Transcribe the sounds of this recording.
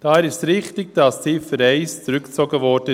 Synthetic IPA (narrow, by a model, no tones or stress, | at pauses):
d̥ɑːɛɾɪʃsɾɪχtɪɡd̥ɑsdiːfəɾɛɪst͡sɾʏkt͡soɡəvɔɾd̥ə